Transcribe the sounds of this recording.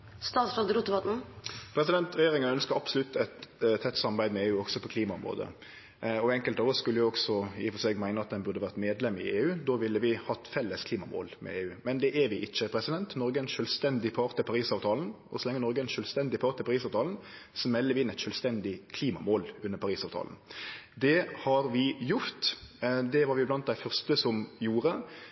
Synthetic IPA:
st̪ɑːt̪sɾɑld̪əɾuːt̪ːəʋɑt̪n̩pʰɾɛsɪd̪ɛnt̪ʁɛjeːʁɪŋənœnskəɾɑbsʊlʉt̪ːɛt̪t̪ʰːɛt̪ːsɑmɑʁbæɪd̪əmɛeːʉːɔɡsɔpʰɔkʰliːmɑʊmʁo̰ːd̪ə̰ | ɔɛŋkəlt̪ɔʋəskʉlːəjʊɔɡsɔɪfɔsɛːɡmæɪnəɑt̪̚d̪ɛnbʉʁd̪əʋæʁt̪meːd̪lɛmːɪeːʉːd̪oːʋɪlːəʋɪhɑt̪fɛlːəskʰliːmɑmo̰ːlmɛ̰eːʉːmɛnd̪ɛʔæɾʋɪʔɪçːəpʰɾɛsɪd̪ɛnt̪nɔɾɡəɛɪnʃœːlst̪ɛnd̪ɪpʰɑɾt̪əpʰɑʁiːsɑːʋt̪ʰɑːln̩ʔɔsɔlɛŋːənɔɾɡəɛnʃœːlst̪ɛnd̪ɪpʰɑːʁt̪əpʰɑʁiːsɑːʋt̪ɑːln̩sɔmɛlːəɾʋɪɪnːæɛt̪ʃœːlst̪ɛnd̪ɪkʰliːmɑmoːlʉnːəpʰɑʁiːsɑːʋt̪ʰɑ̰ːln̩d̪ɛhɑɾʋɪjʊɾt̪d̪ɛʋɑɾʋɪblɑnt̪̚d̪æɪfœʁst̪əsɔmjuːɾə

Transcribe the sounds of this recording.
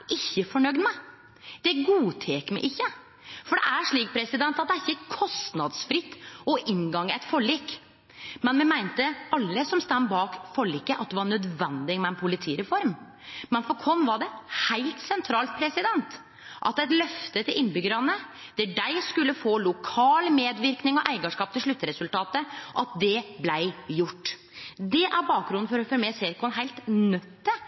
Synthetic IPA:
ʔɪçːəfɔɳœɡd̪mæɪ | d̪̥ɛɡuːt̪ʰeːkmɛ̰ɪʔɪçːə | fɔɖɛʔæʂɭiːk̚pʰɾɛsɪd̪ɛnt̪ɑt̪d̪ɛæɾɪçːəkʰɔst̪nɑd̪sfɾɪt̪ːɔʔɪnɡɑŋːɛt̪fɔɭiːk | mɛnmɛmæɪnt̪əɑlːəsɔmst̪ænːbɑːkfɔɭikːəʔɑt̪̚d̪ɛʋɑɾɳœd̪ʋɛnd̪ɪmɛɛnpʰʊlɪt̪ʰiːɾɛfɔɾm | mɛnfɔɾkʰɔnːʋɑɖɛhæɪlt̪sɛnt̪ʰɾɑːlt̪̚pʰɾɛsɪd̪ɛnt̪ | ʔɑ̰t̪ːɛt̪lœft̪ət̪ʰɪlʔɪnːbʏɡəɾɑnəd̪̥ɛɖæɪskʉlːəfoːlʊkʰɑːlmeːd̪ʋɪɾknɪŋɔʔæɪɡɑʂkɑːp̚t̪ʰɪlʂlɭʉt̪ːəɾɛsʉlt̪ɑːt̪əʔɑt̪̚d̪ɛblæɪjʊʈː | d̪ɛʔæɾbɑːk̚ɡɾʊnn̩fɔɾɔfɔɾmeːseːɾkʰɔnɦæɪlt̪nœt̪ːə

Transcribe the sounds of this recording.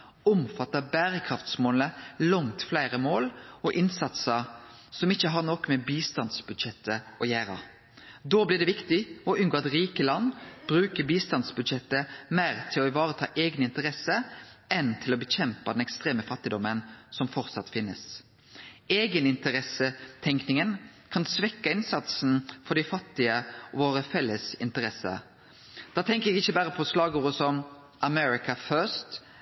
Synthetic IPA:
ʊmfɑt̪ːəbæːɾəkʰɾɑft̪smoːləlɔŋt̪flæɪɾəmoːlɔʔɪnsɑt̪səsɔmɪçːəɦɑɾnɔkːmɛbiːst̪ɑnsbʉd̪ʃɛt̪ːəʔɔjæːɾɑ̰ | d̪oːblɪʁd̪ɛʋɪkt̪ɪɔʉnɡoːɑt̪ɾiːkəlɑnːb̥ɾʉːkəɾbiːst̪ɑnsbʉd̪ʃɛt̪ːəmæɪɾt̪ʰɪlɔɪʋɑːɾət̪ʰɑ̰ːʔeːɡnɪnt̪əɾɛsːəɛnt̪ʰɪlɔbəçɛmpɑd̪ɛnɛkst̪ɾeːməfɑt̪ːɪd̪ɔmənsɔmfɔɾt̪sɑt̪fɪnːə̰s | eːɡənɪnt̪əɾɛsət̪ʰɛŋknɪŋən | kʰɑnsʋɛkːɑɪnsɑt̪sn̩fɔɖ̪ɛɪfɑt̪ːɪəʔɔʋoːɾəfɛlːəsɪnt̪əɾɛsːə̰ | d̪̥ɑːt̪ʰɛŋkəɛɡɪçːəbæːɾəpʰɔslɑːɡuːʁəsɔm | ʔɑmɛɾɪkɑføst̪

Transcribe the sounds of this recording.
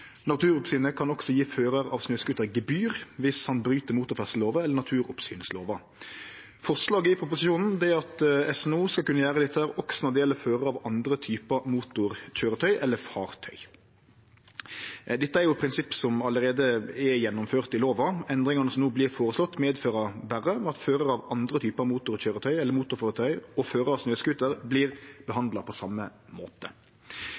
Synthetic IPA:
nɑt̪ʰʉːɾʊpsyːnəkʰɑnɔksɔjiːføːɾəɾɑ̰ːʋsnøːskʉt̪ːəɡɛbyːʁʋɪshɑnbɾyːt̪əmuːt̪ʊfɛst̪əloːʋəɛlːənɑt̪ʰʉːɾʊpsyːnəslo̰ːʋɑ | fɔʁʂlɑːɡəɪpʰɾʊp̬ʊsɪʃuːnn̩d̪ɛæʁɑt̪ɛsɛnuːskɑlkʉnːəjæːɾəd̪ɛt̪ːəæːɾɔksɔnɛd̪ɪjɛlːəføːɾəɑʋɑnd̪ɾət̪ʰyːpəmuːt̪ʊɾc͡çøːɾət̪ʰœʏʔɛlːəfɑːʁt̪ʰœʏ | d̪ɛt̪ːəæɾjʊpʰɾɪnsɪpːsɔmɑləʁeːd̪əɛjɛnːʊmføːʁt̪ɪloːʋɑɛnd̪ɾɪŋɑnəsɔmnuːblɪːɾfoːɾəslɔt̪ːmeːd̪føːɾɑbæɾːəmɛɑt̪føːɾəɾɑʋɑnd̪ɾət̪ʰyːpɑmuːt̪ʊɾçøːɾət̪ʰœʏɛlːəɾmuːt̪ʊɾfɑːɾət̪ʰœʏɔføːɾəɑsnøːskʉt̪əɾbliːɾbəɦɑnd̪lɑpʰɔsɑmːəmo̰ːt̪ə

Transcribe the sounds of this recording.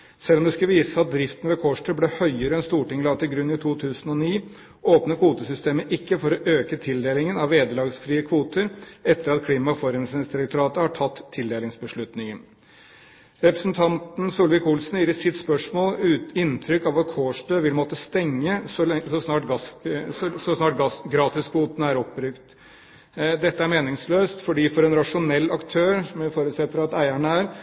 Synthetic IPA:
sɛlːɔmd̪ɛskɑʋiːsəɑt̪̚d̪ɾɪft̪ən̩ʋɛkʰoːʂʈʰøːblɛhœʏəɾəɛnst̪uːʈɪŋlɑːɡ̚t̪ɪlɡɾʉnːɪt̪ʰuːt̪ʰʉːsən̩ɔniː | oːpnəkʰʋuːt̪əsʏst̪eːməʔɪkːəfɔɾɔʔøːkət̪ʰɪld̪eːlɪŋənɑʋːeːd̪əlɑːɡsfɾiːəkʰʋuːt̪əɾɛt̪ːəɾɑt̪kʰliːmɑfɔɾɛnsɛnsd̪ɪɾɛk̚t̪ʊɾɑːt̪əhɑʈʰɑt̪ʰːɪld̪eːlɪŋsbəʂɭʉt̪nɪŋən | ɾɛpɾəsnt̪ʰɑnt̪n̩suːlʋɪkulsnjiːɾət̪sɪt̪spœʂmoːlːɪnːt̪ʰɾʏkːɑʋɑt̪kʰoːʂtøːʋɪlmɔt̪ːəst̪ɛŋːəsɔsɔsnɑːʈɡ | sɔsnɑːʈɡɾɑːt̪ɪskʰʋuːt̪nəæɾɔpːbɾʏkt̪ | d̪ɛt̪ːəæɾmeːnɪŋsløːst̪fɔɖiːfɔɾɛnɾɑʂʊnɛlːɑkt̪ʰøːɾsɔmɪfoːɾʉt̪sɛt̪ːəɾɑt̪æɪæɳəæːɾ

